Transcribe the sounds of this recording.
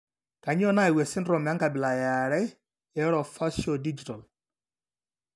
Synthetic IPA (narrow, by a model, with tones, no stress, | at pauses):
ka˨ɲ˦ɔ˦na˦i˨we˨sɪ˦nɾɔ˨m˨a˦ŋka˨bɪ˨la˨ja˨ɾɛ˦ | ɛ˨˦ɾɔ˨fa˦so˨di˦d͡ʒi˨tɔ˨l